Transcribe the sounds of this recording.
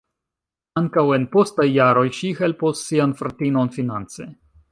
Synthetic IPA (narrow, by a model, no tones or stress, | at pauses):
aŋkawe̞npo̞stajːaɾo̞jʃihe̞lposːianfɾatino̞nfinant͡se̞̰